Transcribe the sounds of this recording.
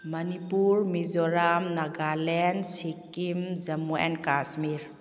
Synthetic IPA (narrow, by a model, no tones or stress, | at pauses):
mɐnipuɾmizɔɾamnaɡalɛnsikːimzɐmuɛ̰nkasmiɾ